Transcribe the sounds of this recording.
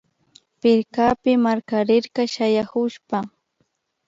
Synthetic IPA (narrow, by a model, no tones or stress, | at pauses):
pɪɾkaːpɪmaɾkaɾɪɾkɑʃajahʊʃpa